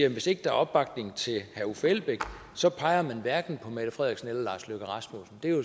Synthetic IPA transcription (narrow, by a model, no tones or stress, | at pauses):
eʋe̝se̝ɡ̥əd̥æɐʔɒ̽b̥ːɑ̈ɡ̥dne̝ŋt͡sʰe̝lhæufelb̥eɡ̥ | sɒ̽pʰɑ̈ɪɐmænʋæɐɡ̥n̩pʰɒ̽mæd̥əfʁɛðˠɐɡsn̩elɐlɑ̈ːsløɡ̥æʁɑ̈smo̝sn̩d̥e̝jo